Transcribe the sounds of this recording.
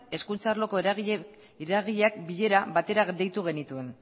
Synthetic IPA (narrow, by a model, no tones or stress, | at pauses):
e̞skunt͡sarlo̞ko̞eɾɣ | ɾaɣiʎeakbiʎe̞ɾaβat̪e̞ɾaɣd̪ejt̪uɣ̞e̞nit̪ue̞n